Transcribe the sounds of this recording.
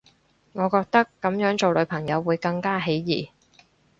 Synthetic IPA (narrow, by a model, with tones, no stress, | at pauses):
ŋɔː˨˧kɔː˧k̚t̪ɐ˥kːɐ˨˥mjœː˨˥ŋt͡so˨wlɵ˨˧ɥpʰɐ˨˩ŋjɐ˨˧wːuː˨˧jkɐ˧ŋkaː˥ɦe˨˥jjiː˨˩